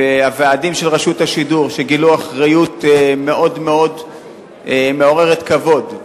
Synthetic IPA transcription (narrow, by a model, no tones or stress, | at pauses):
eaveadimʃelʁaʃut̪haʃiduʁʃeɡiluaχʁajut̪me̞ʔo̞d̪meo̞d | meo̞ʁe̞ʁet̪kavo̞d